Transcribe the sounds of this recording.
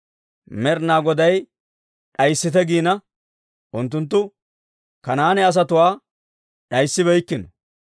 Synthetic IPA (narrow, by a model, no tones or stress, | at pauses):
mɛɾnaːɡɔd̪ɐj | ɗɐjsːɪt̪ɛɡiːnɐ | ʔʊnt̪̬ːʊnt̪̬ːʊ | kɐnaːnɛɐs̬ɐt̪ʊwaː | ɗɐjsːɪβɛjkːɪnɔ